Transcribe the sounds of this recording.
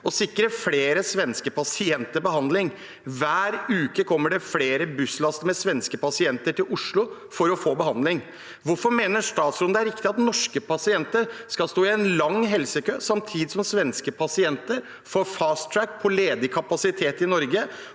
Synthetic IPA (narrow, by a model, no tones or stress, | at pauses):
ɔsɪkːɾəfleːɾəsʋɛnskəpʰɑsɪɛnt̪əɾbəɦɑnd̪lɪŋ | ʋæːɾʉːkəkʰɔmːəɖɛfleːɾəbʉslɑst̪mɛsʋɛnskəpɑsɪɛnt̪əʈɪlʔʊʂɭʊ | fɔɾɔfoːbəhɑnd̪lɪŋ | ʋʊɾfɔɾmeːnəʂt̪ɑːt̪sɾɔnd̪əæɾɪkt̪ɪɑt̪nɔʂkəpʰɑsɪɛnt̪əɾskɑlst̪oːɪɛnlɑŋɦɛlsəkøːsɑmt̪ʰiːd̪ɪsɔmsʋɛnskəpʰɑsɪɛnt̪əɾ | foːɾfɑːst̪ʰːɾækːpʰɔleːd̪əkʰɑpɑsɪt̪ʰeːt̪ɪnɔɾɡə